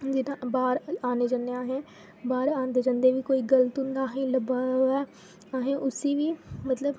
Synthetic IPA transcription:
d͡ʒɪnãbaːɾaːned͡ʒə̃neaːɦɛ̃ː | baːɾaːnd̪ed͡ʒə̃nd̪eʋiːkoːiːɡələt̪ʊ̃nd̪aːɦẽːləbaːʋɛː | aːɦẽʔʊsiːʋiːmət̪ləb

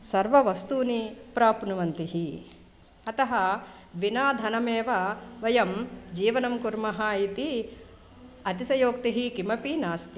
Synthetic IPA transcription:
sɐɾʋɐʋɐst̪uːnipɾaːpnuʋɐnt̪iɦi | ɐt̪ɐɦɐ | ʋinaːd̪ʱɐnɐmeːʋɐʋɐjɐmd͡ʒiːʋɐnɐmkuɾmɐɦaːit̪i | ɐt̪isɐjoːk̚t̪iɦikimɐpinaːst̪i

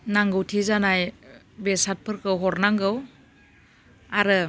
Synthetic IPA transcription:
naŋɡɯwtʰizanaj | besat̚pʰɯɾkɯwɦɔɾnaŋɡɯw | aɾɯ

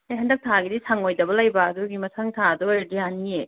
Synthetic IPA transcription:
ajɦɐndɐk̚tʰaɡidisaŋojdɐbɐlajbɐːduɡimɐsʰaŋtʰaduedianie

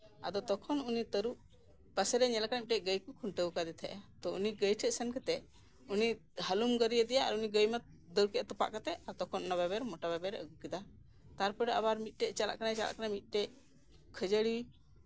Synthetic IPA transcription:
a̰d̪ɔt̪ɔkʰɔnunit̪əɾuʔ | pasɛɾɛɲɛlakanamit̪̚ʈɛʔɡəjkukʰuɳʈəwkad̪ɛt̪ʰɛ̰ʔat̪ɔuniɡəjʈʰɛʔ̚sɛnkat̪ɛʔ | unihalumɡəɾijəd̪ɛjaa̰ɾuniɡəjmət̪̚ | d̪əɾkɛʔt̪ɔpa̰ʔkat̪ɛaɾt̪ɔkʰɔnnababɛɾmɔʈababɛɾəɡukid̪a | t̪aɾpɔɾɛabaɾmit̪̚ˀʈɛʔt͡ʃala̰ʔkanajt͡ʃala̰ʔkanamit̪̚ˀʈɛʔ | kʰəd͡ʒəɽiwi

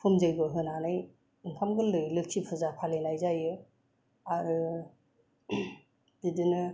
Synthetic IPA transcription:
pʰɯmzɯjɡɔɦɯnanɯj | ɯmpʰamɡɯlɯjlɯksʰipʰɯzapʰalenajzajɯ | aɾɯ | didinɯ

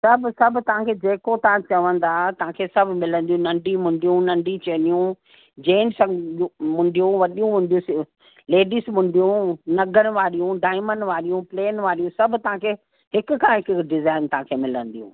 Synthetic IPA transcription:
sɐbʱʊsɐbʱt̪ɐʋ̤ãkʰeːd͡ʑeːkot̪ɐʋ̤ãt͡ɕɐʋə̃nd̪aːt̪ɐʋ̤ãkʰeːsɐbʱmɪlə̃nd̪iũnɐ̃ɳɖimʊ̃ɳɖijũnɐ̃ɳɖit͡ɕɐnijũ | d͡ʑeːnsɐ̃mʊ̃ɳɖijũʋɐɗijũmʊ̃ɳɖijũsɪ | leːɖismʊ̃ɳɖijũnɐɡən̆ʋaːɾijũɖaːɪmənʋaːɾijũpleːnʋaːɾijũsɐbʱʊ̆t̪ɐʋ̤ãkʰeː | ɦɪkʊkʰãɦɪkɖɪzaːɪnt̪ɐɦãkʰeːmɪlə̃nd̪ijṵ̃

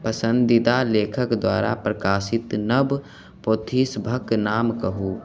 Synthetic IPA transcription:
pəsə̃nd̪ɪd̪aleːkʰəkd̪waːɾa̰pɾɐkaːsɪt̪nəb | poːt̪ʰiːsbʱəknaːmkəɦuː

